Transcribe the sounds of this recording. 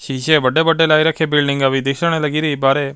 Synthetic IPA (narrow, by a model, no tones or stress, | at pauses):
ʃiːʃeːbəɖeːbəɖeːlaːiɾəkʰebɪlɖɪ̃ŋɡəʋid̪ɪkʰʃəɽ̃eləɡiːɾiːbaːɾeː